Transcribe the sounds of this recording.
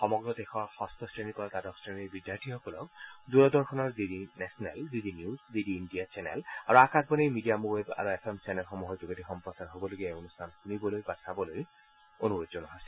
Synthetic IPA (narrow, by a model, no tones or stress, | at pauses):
xɔmɔɡɹɔd̪exɔxɔst̪ʰɔsɹenikɔɹat̪adɔksɹenibidːjaɹtʰiɦɔkɔlɔ̰kd̪uɹɔd̪ɔɹxʰɔnɔɹdidinɛsɔnɛ̰ldidinijuzdidiːndijat͡ʃɛnɛ̰la̰ɹuakasbɔnejmidijamuweba̰ɹuepʰɛmt͡ʃɛnɛlxɔmuɦɔzuɡetixɔmpɹɔsaɹɦobɔloɡiaeonustʰankunibɔlojbasʰabɔloj | onuɹozɔnɔɦasɛ